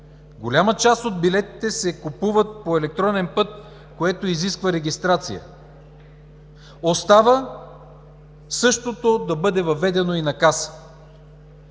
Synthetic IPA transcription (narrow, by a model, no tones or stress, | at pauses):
ɡolʲamət͡ʃast̪od̪̚bilɛt̪i̥t̪ɛsɛkupuvət̪̚poɛlɛk̚t̪ɾɔnɛnpɤt̪̚ | koɛt̪oiziskvəɾɛɡʲist̪ɾat̪sḭjə̰ | ost̪avə | sɤʃt̪ot̪od̪ɐbɤd̪ɛvɐvɛd̪ɛnoinɐkasə̥